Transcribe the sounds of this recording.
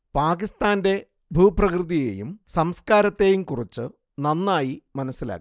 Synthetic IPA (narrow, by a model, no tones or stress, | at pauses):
paːkist̪aːnde̞ | bʱuːprɐkrɨðije̞̰ːjṵmsɐmskaːɾɐt̪ːe̞ːjumkurit͡ɕːɨ | nɐnːaːjimɐnɐsːila̰ːkːi